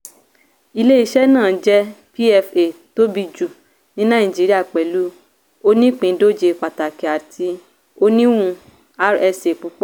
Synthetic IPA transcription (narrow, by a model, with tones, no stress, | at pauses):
i˧le˦i˧˦ʃɛ˦nãː˦˨d͡ʒɛ˦pi˦ɛ˧fe˨to˦bi˧d͡ʒu˨ | nĩ˦nã˦˨d͡ʒi˨˦ɾi˦a˦˨k͡pɛ˨lu˨˦ | o˧nĩ˦k͡pĩ˨˦do˦d͡ʒe˧˨k͡pa˨ta˨ki˨a˨tʰi˧ | o˧nĩ˦wũ˧ | a˦ɾɛ˧se˨k͡pu˨˧˦k͡pɔ˦